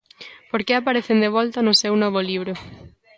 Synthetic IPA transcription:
poɾkeapaɾeθend̪eβ̞ɔlt̪anʊsewnɔβ̞oliβ̞ɾʊ

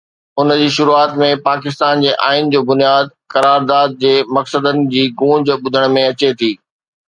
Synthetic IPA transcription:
ʊnd͡ʑiːʃʊɾuaːt̪mẽpaːkɪs̬t̪aːnd͡ʑeːʔa̰ːɪnd͡ʑoːbʊnijaːd̪̚kɐɾaːɾd̪aːd̪̚d͡ʑeːmɐksəd̪ənɪ̆d͡ʑiːɡũːd͡ʑɓʊd̪ʱəɽ̃mẽɐt͡ɕet̪ʰiː

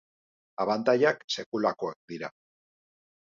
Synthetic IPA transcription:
aβant̪ajakse̞kulako̞ek̚d̪iɾa

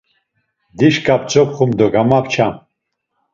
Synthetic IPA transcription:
d̪iʃkʼap̚ʰt͡sʰʼɔp̚χumd̪ɔɡamapʰt͡ʃʰam

